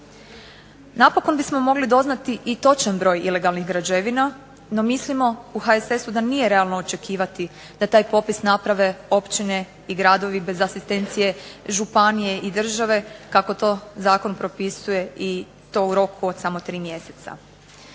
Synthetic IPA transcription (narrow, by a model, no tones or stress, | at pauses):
napo̞ko̞nbismo̞mo̞ɡlid̪o̞znat̪iʔit̪o̞t͡ʃanbɾo̞ːjile̞ɡalˠniɡɾad͡ʒeʋina | no̞mislimo̞uxaesesud̪anije̞ɾe̞alˠnoot͡ʃe̞kʰiːʋat̪i | d̪̥at̪aːjpo̞pisnapɾaʋe̞o̞pt͡ʃine̞ | iɡɾad̪o̞ʋibe̞zasist̪e̞nt̪sije̞ʒupanije̞ʔid̪r̩ʒaʋe̞kako̞t̪o̞zaːko̞npɾo̞pisuje̞i | t̪o̞ːuɾo̞kʰuod̪̥samo̞t̪ɾiːmje̞se̞t̪sa̰